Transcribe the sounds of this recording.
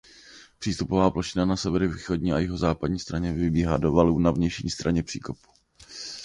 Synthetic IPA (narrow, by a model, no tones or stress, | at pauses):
pr̝̥iːst̪upovaːploʃɪnanasɛvɛɾɪviːxo̞dɲiːajɪɦo̞zaːpadɲiːst̪ɾaɲɛvɪbiːɦaːdovaluːnavɲɛjʃɲḭːst̪ɾaɲɛpr̥ḭːkopu̥